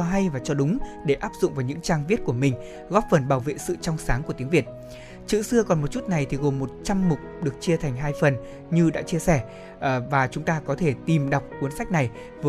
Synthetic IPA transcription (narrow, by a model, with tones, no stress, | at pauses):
ɔ˧ɦa˧jvaː˨˩t͡ɕɔ˧ɗʊ˨˦ŋ͡mɗe˧˩ʔaː˦˥p̚zʊ̰˧˨ŋ͡mvaː˨˩wɲɨ̰˧˥ŋt͡ɕaː˧ŋvi˦˥ət̚ku˧˩əmï˨˩ŋ̟ | ɣɔ˦˥p̚fə˨˩nɓaː˧˩wvḛ˧˨sɨ̰˧˨t͡ɕɔ˧wŋ͡msaː˨˦ŋku˧˩t̪i˨˦əŋvi˨˩ət̚ | t͡ɕɨ̰˧˨sɨ˧əkɔ˨˩nmo˨˩t̚t͡ɕu˦˥t̚na˨˩jt̪ʰi˨˩ɣo˨˩mːo˨˩t̚t͡ɕa˧mːʊ˨˩k͡p̚ɗɨ˨˩ək̚t͡ɕi˧ət̪ʰa˨˩jŋ̟ɦaː˧jfə˨˩n | ɲɨ˧ɗa̰ː˧˥t͡ɕi˧əsɛ˧˩˨ | vaː˨˩t͡ɕʊ˨˦ŋ͡mt̪aː˧kɔ˨˦t̪ʰe˧˩t̪i˨˩mɗa˨˩wk͡p̚ku˨˦ənsa˦˥k̟̚na˨˩j | vəː˨